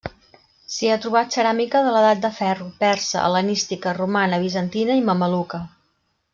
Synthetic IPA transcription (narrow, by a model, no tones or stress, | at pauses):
siat̪ɾuβ̞at̪səɾamikəðələðat̪̚d̪əfɛrupɛɾsə̰ə̰lənist̪ikərumanəβ̞izənt̪inəiməməlukə